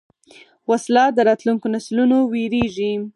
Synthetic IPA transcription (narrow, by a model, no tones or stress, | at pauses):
waslɑd̪əɾɑt̪luŋkonaslunoweɾeʒi